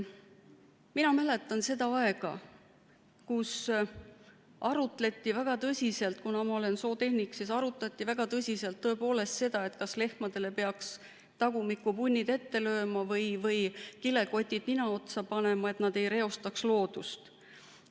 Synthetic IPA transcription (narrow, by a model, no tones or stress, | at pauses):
minɑmæle̞t̪ːˑɑnse̞d̪̥ɑɑe̞ɡ̥ɑ | kus | ɑɾut̪ˑle̞t̪ːˑivæɡ̥ɑt̪ɤsʲise̞lt̪ˑkunɑmɑo̞le̞nso̞ːt̪e̞hniksisɑɾut̪ˑlɑt̪ːˑivæɡ̥ɑt̪ɤsʲise̞lt̪ːɤ̞e̞po̞ːle̞st̪se̞d̪̥ɑe̞t̪kɑsle̞hmɑd̪̥e̞le̞pe̞ɑks | t̪ɑɡumikːˑupunʲːid̪e̞t̪ːe̞lø̞ːmɑvɤjvɤjkile̞ko̞t̪ʲːˑid̪̥ninɑo̞t̪sɑpɑne̞mɑe̞t̪nɑd̪̥e̞jɾe̞o̞st̪ɑkslo̞ːd̪̥ust̪